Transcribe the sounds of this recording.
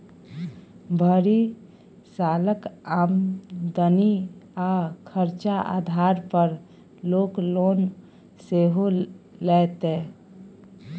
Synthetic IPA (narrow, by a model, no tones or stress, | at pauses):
bʱəɾi | saːləkaːmd̪əniakʰəɾt͡ʃaʔa̰ːd̪ʱaːɾpəɾ | loːkloːn | seɦolɛːt̪ẽ